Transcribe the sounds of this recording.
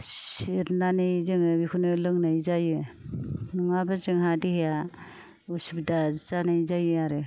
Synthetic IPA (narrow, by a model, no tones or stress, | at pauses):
siɾnanizɯŋɯbikʰunɯlɯŋnajzajɯ | nuŋabɯzɯŋɦadiheja | usubdazanajzajɯaɾɯ